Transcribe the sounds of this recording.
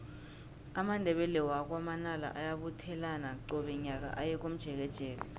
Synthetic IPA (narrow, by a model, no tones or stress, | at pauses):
amandʱɛɓɛlɛwak̬wamanala̰ʔajaɓutʰɛlanaǀɔɓɛɲak̬a̰ʔajɛk̬ʼom̩d̥ʒ̥ʱɛk̬ɛd̥ʒ̥ʱɛːk̬a